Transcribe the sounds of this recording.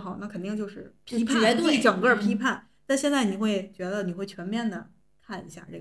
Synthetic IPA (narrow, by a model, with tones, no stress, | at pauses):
xɑ˨˩˦na˥˩kʰə˨˩nt̪i˥˧ŋt͡ɕjo˥˧ʊʂɻ̩˥˩pʰpʰa˥˩ɛ˧˥t̪o˥wʈ͡ʂɤ˨˩ŋkə˥˩pʰi˥pʰa˥˩n | t̪a˥˧ɕjɛ˥˧nt͡sa˥˩ɪni˨˩xwe˥˩ɪt͡ɕɥɛ˧˥d̪ə˧ni˨˩xwe˥˩ɪt͡ɕʰɥɛ˧˥nmjɛ˥˩nd̪ə˩ | k̪ʰa˥˩nḭ˧˥ɕja̰˥˧ʈ͡ʂɤ˥˩